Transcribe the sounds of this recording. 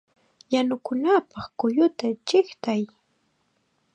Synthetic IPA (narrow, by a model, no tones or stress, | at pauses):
janʊkʊnapɑχkʊjʊt̪at͡ʃɪχt̪aj